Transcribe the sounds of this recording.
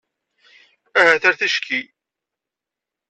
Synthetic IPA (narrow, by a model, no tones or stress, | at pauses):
æhæθæɾθæʃki